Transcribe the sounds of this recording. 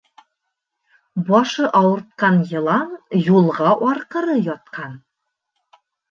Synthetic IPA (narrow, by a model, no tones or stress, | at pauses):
bɒʃɤʔɒwɤ̆ɾt̪̚qɑnjɤ̆lˠɑnjulˠʁɑʔɒɾqɤ̆ɾɤjɒt̪̚qʰɑn